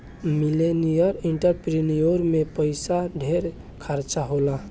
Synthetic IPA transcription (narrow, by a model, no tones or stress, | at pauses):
milenijəɾiɳʈəɾpɾinijoɾmepəjsaɖʱeɾ | kʰəɾt͡ʃaɦola